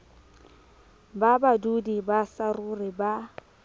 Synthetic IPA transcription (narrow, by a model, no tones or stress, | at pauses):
babadudibasarʊrɪba